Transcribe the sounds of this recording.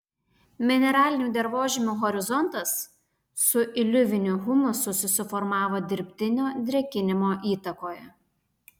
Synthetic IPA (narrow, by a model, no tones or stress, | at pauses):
mʲɪnʲɛɾɑːlʲɪnʲuːd̪ʲɛɾʋoːʒʲɪmʲuːɣɔɾʲɪzɔnt̪ɐsː | ʊʔɪlʲʊʋʲɪnʲʊɦʊmʲʊsʊsʲʊsʲɪfɔɾmɑːʋoːd̪ʲɪɾʲpʲt̪ʲɪnʲoːd̪ʲɾʲɛkʲɪnʲɪmoːʔiːt̪ɐkoːjɛ